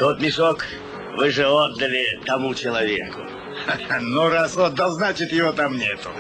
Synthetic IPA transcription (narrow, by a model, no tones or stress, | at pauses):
t̪ot̪mʲɪʂok | vɨʐɛod̪ːɐlʲɪt̪ɐmut͡ɕɪlˠɐvʲḛkʊ̰ | nuɾasot̪̚d̪ɐznat͡ɕɪt̪jɪvot̪amnʲet̪ʊ